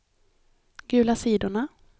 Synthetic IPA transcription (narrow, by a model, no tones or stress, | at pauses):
ɡʉ̟ːlasiːd̪ʊɳa